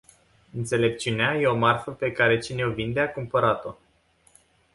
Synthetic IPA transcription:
ɨnt̪se̞le̞p̚t͡ʃiuneaje̞o̞marfəpe̞kaɾe̞t͡ʃine̞ovind̪e̞akumpəɾat̪o̞

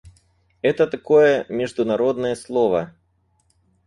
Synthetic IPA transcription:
ɛt̪ɐt̪ɐkɔjɐmʲɪʐd̪ʊnɐɾɔd̪̚nɐjɐslˠɔvɐ

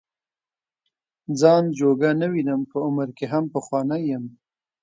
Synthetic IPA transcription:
d͡zɑnd͡ʒoɡanəwinəmpəʊməɾkeɦampəxwɑnajəm

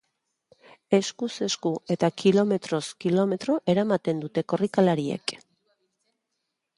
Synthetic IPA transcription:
e̞skuse̞skue̞t̪akilo̞me̞t̪ɾo̞skilo̞me̞t̪ɾo̞ʔe̞ɾamat̪e̞nd̪ut̪e̞ko̞rikalaɾie̞̰k

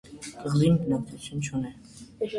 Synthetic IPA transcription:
kəʁzimnɑkt̪ʰut͡sʰjunt͡ʃʰunɛ

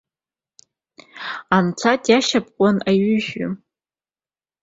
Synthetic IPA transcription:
ant͡sʷʰatʼjaʃapʼqʷʼanaɥʏʒᶣʊ

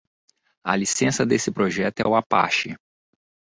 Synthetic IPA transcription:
ɐ̰lisẽsɐd̪esɪpɾoʒɛt̪ʊɛ̰ʊapa̰ʃɪ

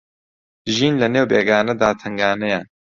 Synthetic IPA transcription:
ʒiːnlɐneːwbeːɡaːnɐd̪aːt̪ʰɐŋɡaːnɐjaːn

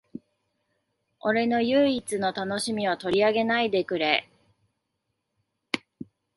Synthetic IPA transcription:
o̞ɾe̞no̞jɯ̟ːit͡sɨno̞t̪ano̞ɕimʲiβat̪o̞ɾʲiaɡe̞naid̪e̞kɯ̟ɾe̞

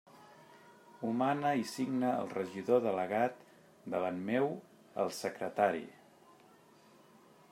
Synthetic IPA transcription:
umanəisiɡnə̰ːlˠrəʒiðoðələɣat̪ | d̪əβanmew | ə̰lˠsəkɾət̪aɾḭ

